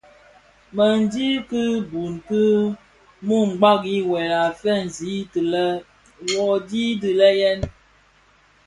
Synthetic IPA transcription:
mə˨n̩˨˦di˦kɨ˦bu˨nkɨ˦ | mu˦˨ŋ̩˨ɡ͡ba˦ki˦wɛ˨la˨fɛ˦n̩˨zi˨˦tɨ˨lɛ˦ | wɔ˨di˦di˨lɛ˦jɛ˦n

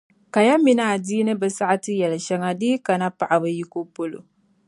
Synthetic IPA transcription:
ka˨ja˦mi˦na˨a˨diː˦nɨ˦bɨ˨sa˦ʔa˦tɨ˦jɛ˨lɨ˨ʃɛ˦ŋa˦deː˦ka˨na˦pa˨ʔa˨bɨ˦ji˦ko˦po˦lo̰˨

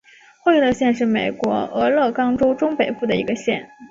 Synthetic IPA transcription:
xwe˥˧ɪ˥˩lɕjɛ˥˧nʂɻ̩˥˩me˨˩ɪkwɔ˧˥ɤ˧˥lɤ˥˩kɑ˥ŋʈ͡ʂo˥ʊʈ͡ʂʊ˥ŋpe˨˩ɪpu˥˩d̪ə˩ḭ˧˥ɡə˧ɕjɛ˥˩n

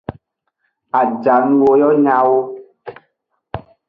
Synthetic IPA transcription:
a˨d͡ʒa˨n̩˦wo˦jɔ˦ɲã˦wo˦

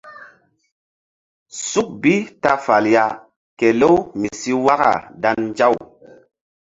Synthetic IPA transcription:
su˦k̚bi˦ta˦fa˨lja˨ | ke˨lo˦wmi˨si˦wa˦ɣa̰˨da˦nd͡ʒa˦˨w

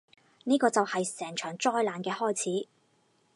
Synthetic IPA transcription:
niː˥kɔː˧t͡sɐ˨whɐ˨jsɛː˨˩ŋt͡ʃʰœː˨˩ŋt͡sɔː˥jlaː˨˧nkɛː˧hɔː˥jt͡sʰiː˨˥

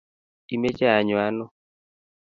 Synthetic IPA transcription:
i˨me˦t͡ʃa˦a˨ɲwa˦nɔ˦

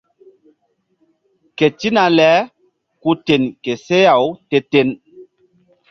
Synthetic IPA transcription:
ke˨ti˦na˨lɛ˨˦ | ku˦te˨nke˨se˦ja˨wte˦te˦n

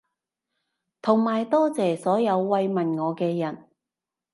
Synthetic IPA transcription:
t̪ʰʊ˨˩ŋmaː˨jt̪ɔː˥t͡sɛː˨˩sɔː˨˥jɐ˨˧wːɐ˧jmɐ˨˩nŋɔː˨˧kɛː˧jɐ˨˩n

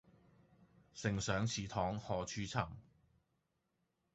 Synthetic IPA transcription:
sɪ˨˩ŋsœː˨˥ŋt͡sʰiː˨t̪ʰɔː˨˥ŋhɔː˨˧t͡ʃʰyː˥t͡sʰɐ˨˩m

